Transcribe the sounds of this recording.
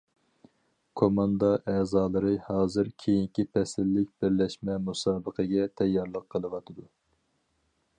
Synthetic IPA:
kʰomɑnd̪ɑʔɛːzɑːlˠɨɾɨhɑːzɨɾkʲʰejiŋkʲipʰɛsɪlːɪk̚ʲbɪɾlɛʃmɛmusɑːbəqʰəɡʲɛt̪ʰɛjːɑɾlˠəqʰːəlˠɨwɑt̪ʰɨd̪u

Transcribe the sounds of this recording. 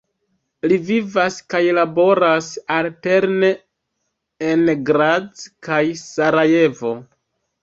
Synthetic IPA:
livivaskajlabo̞ɾasalte̞ɾne̞ | enɡɾad͡zkajsaɾaje̞vo̞

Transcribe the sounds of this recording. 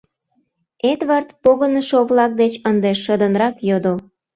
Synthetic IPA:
ed̪βɑrt̪poɣənəʃoβlɑk̚d̪et͡ɕənd̪eʃəd̪ənɾɑkjod̪o

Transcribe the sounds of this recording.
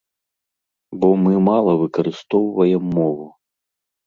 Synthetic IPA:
bɔmɨmalˠɐvɨkɐɾɨst̪ɔwvɐjɛmːɔvu

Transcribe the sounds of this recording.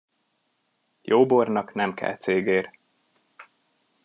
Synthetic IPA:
joːbornɒknɛmkɛ̰lt̪seːɡeːr

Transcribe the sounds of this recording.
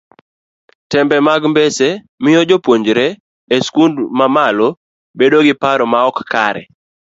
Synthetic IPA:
tɛmbɛmaɡmbese | mɪjɔd͡ʒopwoɲd͡ʒɾe | eskundmamalo | bedoɡɪpaɾɔmaɔkkaɾɛ̰

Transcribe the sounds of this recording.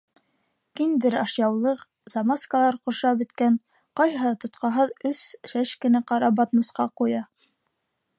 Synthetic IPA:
kind̪ɘɾɑʃjɑwlˠɤq | zɑmaskɑlˠɑɾqŏɾʃɑbɵ̆t̪kæn | qɑjɑt̪ŏt̪qɑɦɤðɵsʃæʃkɘ̆næqɑɾɑbɑt̪mɤ̆sqɑqujɑ

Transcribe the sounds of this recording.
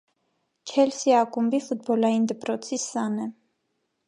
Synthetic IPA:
t͡ʃʰɛlsiakʼumbifud̪̚bɔlaind̪ɛpɾɔt̪sʰisanɛ

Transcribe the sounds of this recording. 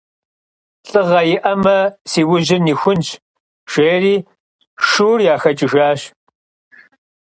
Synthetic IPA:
ɬʼɨʁɐjɪʔɐmɐsiːwʊʑɪniːxʷʊnt͡ʃʰ | ʒ̥ʷeːriː | ʃuːrjaːxɐt͡ʃʼɪʒaːɕ

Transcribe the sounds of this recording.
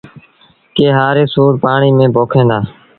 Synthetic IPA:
keːɦaːɾeːsoːɾpaːɳiːmẽːbʱoːkʰẽːnd̪aː

